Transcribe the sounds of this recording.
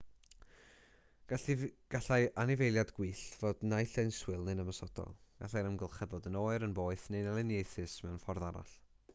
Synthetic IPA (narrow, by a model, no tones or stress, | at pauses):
ɡ̥aɡ̥aɬajʔanɪvejlˠjadɡwiːɬvoːdnajɬɛjnswɨlˠnɨnəmasɔd̥ɔ̰lˠɡ̥a̰ɬajɾəmɡəlˠχɛðɔdənoːɨɾənboːɨθnenɛlˠɪnjejθɨsmɛwnfɔrðaɾa̰ɬ